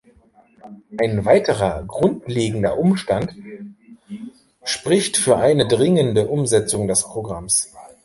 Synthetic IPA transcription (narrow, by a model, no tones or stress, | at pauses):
ʔaɪnvaɪtəʁɐɡʁʊntleːɡŋ̩dɐ̰ʔʊmʃtant | ʃpʁ̥ɪçtfyːɐʔaɪnədʁɪŋəndəʔʊmzɛt͡sʊŋdɛspʁ̥oɡʁams